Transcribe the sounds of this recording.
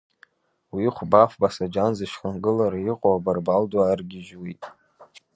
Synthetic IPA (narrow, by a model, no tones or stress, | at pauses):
wiχʷbafbasad͡ʒanzɨʃχanɡɨlaɾaiqʼowabarbaldwaːrɡʲɪʒwitʼ